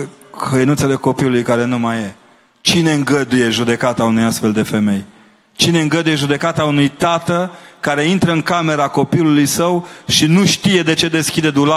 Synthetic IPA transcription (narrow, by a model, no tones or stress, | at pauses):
kəjənut̪se̞le̞ko̞piulujkaɾe̞numaje | t͡ʃine̞ɨŋɡəd̪uje̞ʒud̪e̞kat̪aunujast̪fe̞ld̪e̞fe̞me̞j | t͡ʃine̞ɨŋɡəd̪uje̞ʒud̪e̞kat̪aunujt̪at̪əkaɾe̞int̪ɾəɨŋkame̞ɾako̞pilulujsəwʃinuʃt̪ije̞d̪e̞t͡ʃe̞d̪e̞skʲid̪ed̪ula